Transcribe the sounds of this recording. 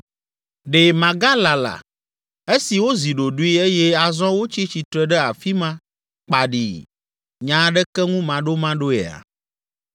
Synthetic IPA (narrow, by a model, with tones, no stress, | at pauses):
ɖe˨mã˨ɡa˦la˨la̰˨ | e˦si˨wo˦zi˨ɖo˨ɖu˦i˦e˦jɛ˦a˨zɔ̃˦wo˦t͡ɕi˦t͡ɕi˨t̪ɾɛ˨ɖɛ˦a˨fi˦mã˦ | k͡pa˨ɖḭ˨ | ɲã˨˦ɖɛ˦kɛ˦ŋũ˦mã˨ɖo˦mã˦ɖo˦ɛ̰˨a̰˨